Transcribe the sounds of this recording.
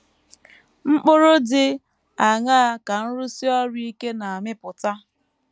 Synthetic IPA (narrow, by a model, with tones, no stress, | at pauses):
ŋ͡m̩˦k͡pʊ˦ɾʊ˦dɪ˦ | a˨ŋa˦a˦ka˨n̩˦ɾʊ˦si˦ɔ˦ɾi˦ke˦na˨a˨mɪ˦pʊ˨ta˦